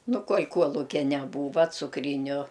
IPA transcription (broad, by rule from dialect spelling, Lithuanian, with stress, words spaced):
ˈnʊ ˈkuɔlʲ ˈkuɔlˠʊkʲɛ nʲɛˈbuːʋɐ t͡sʊkˈrʲiːnʲʊ